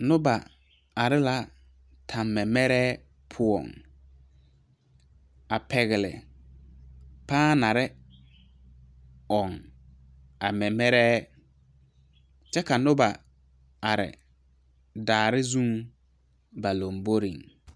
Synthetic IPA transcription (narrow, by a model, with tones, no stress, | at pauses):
nʊ˦ba˨ | a˨ɾɪ˦la˦ | tʰa˨mːɛ˨mɛ˦ɾɛː˦ | pʰʊ˦ɔ̰˨ŋ | a˨pɛ˨ɣɪ˨lɪ̰˨ | paː˦na˨ɾɪ˦ | ɔ˨ŋ | a˨mɛ˨mɛ˦ɾɛ˦ | t͡ʃɛ˦ka˨nʊ˦ba˨ | a˨ɾɪ̰˨ | daː˨ɾɪ˦zũ˦ŋ | ba˨lo˨mbo˦ɾi˨ŋ